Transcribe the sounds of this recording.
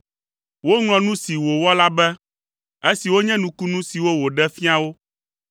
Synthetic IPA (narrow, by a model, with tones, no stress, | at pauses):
wo˦ŋlɔ̃˨nũ˦si˨wo˨wɔ˦la˦bɛ˦ | e˦si˨wo˦ɲɛ̃˦nũ˨˦ku˦nũ˦si˨wo˦wo˨ɖɛ˦fi˦a˨wo˦